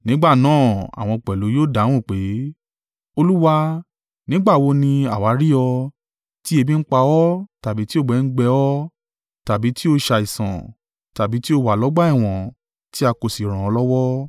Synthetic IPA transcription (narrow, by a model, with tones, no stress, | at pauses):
nĩ˨˦ɡ͡ba˦˨nãː˦˨a̰˨w̃ɔ̃˧k͡pɛ˨lo˨˦joː˦˨da˨˦w̃ɔ̃˦˨k͡pe˨˦ | o˧lu˦wa˧ | nĩ˦ɡ͡ba˦˨wo˧nĩ˧a˨wa˨˦ɾi˦ɔ˧ | ti˦e˧bĩ˦˧n̩˦k͡pa˧ɔ˦ta˨bi˨˦ti˦o˦˨ɡ͡bɛ˨˦˧n̩˦ɡ͡bɛ˧ɔ˦ | ta˨bi˨˦ti˦o˧ʃa˧i˨sã̰˨ | ta˨bi˨˦ti˦o˧wa˨lɔ˨˦ɡ͡ba˦i˦˨w̃ɔ̃˨ | ti˦a˧ko˨si˨ɾ̃ã˨ɔ˧lɔ˦wɔ˦